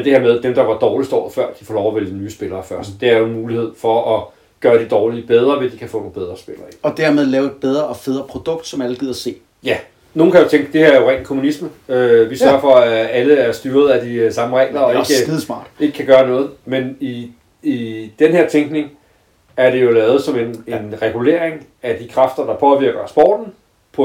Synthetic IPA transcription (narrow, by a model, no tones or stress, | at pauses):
d̥e̝heɐmeð̞ˠd̥emd̥ɑ̈ʋɑ̈d̥ɒːlisd̥ɒ̰ːfɶɐ̰d̥i̥fɒːlɒʊæʋelnyːsb̥e̝lɐːfɶɐsd̥̚d̥e̝æɐjonmuːlihe̝ð̞̰ˠfɒ̽ʔɒ | ɡ̥ɶːɐd̥id̥ɒːlib̥eð̞ˠʁɐʋe̝d̥ikʰæfɔ̰no̝ːnbeð̞ˠʁɐsb̥elɐːiɒ̽d̥æɐmeðˠlɛːʊed̚b̥eð̞ˠʁɐɒfeð̞ˠʁɐpʰʁod̥ɔ̽ɡ̥̚d̥sɒmæləɡ̥ið̰ˠɐse̝̰ː | jæ | no̝ːn̩kʰæjot͡sʰeŋɡ̥əd̥e̝hæɐoʁɛŋ̰n̩kʰo̝munisməøʋisɶɐfɒ̽ææləæɐsd̥yːɐð̞̩ˠæd̥isɑ̈məʁɛ̰ɪ̰lɐɒeɡ̥ið̩ˠsmɑ̰̈ːd̥e̝ɡ̥ə̥kʰːæɡ̥ɶːɐnɔ̽ːð̞̩ˠmeni | id̥enhe̝ɐ̰t͡sʰeŋɡ̥ne̝ŋ | æɐd̥e̝jo̝lɛːʊð̞̩ˠsɒ̽mene̝nʁɛɡ̥ule̝̰ɐ̰eŋ | æd̥ikʰʁɑfd̥ɐd̥ɑ̈pʰɒ̽ʋiɐ̰ɡ̥ɐsb̥ɒ̰ːd̥n̩ | pʰɒ